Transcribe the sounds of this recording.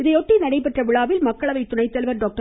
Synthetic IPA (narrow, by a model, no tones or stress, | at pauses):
ɪðɐɪoʈːinɐɽɐɪpɛʈrɐʋɪɭaːʋɪlmɐkːɐɭɐʋɐɪt̪ːʊnɐɪt̪ːɛlʋɐɾɖoːk̚ʈɐ